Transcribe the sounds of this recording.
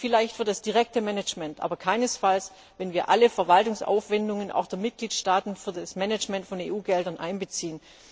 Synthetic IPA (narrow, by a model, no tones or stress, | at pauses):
fɪlaɪçtfyɨɐd̥asd̥iʁ̞ɛk̚təmɛnɛd͡ʒmɛntʔa̰ːbɐkʰaɪnəsfals | vɛnviːɐʔaləfɛɐvaltʊŋsʔa̰ʊfv̥ɛndʊŋənʔa̰ʊxd̥eːɐmɪt̚ɡ̥liːtʃtaːtn̩fyːɐdasmɛnɛt͡ʃmɛntfɔnḛːʔuːɡɛldɐnʔa̰ɪnbət͡siːən